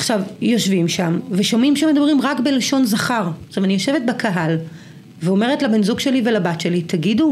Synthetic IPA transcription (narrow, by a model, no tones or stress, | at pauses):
aχʃavjo̞ʃvimʃamveʃomimʃemed̪abʁimʁakbeleʃo̞nzaχaʁʃavanijo̞ʃe̞vet̚bekʰaɦal | veo̞me̞ʁetlabinzuɡʃelivelabatʃe̞lit̪aɡidu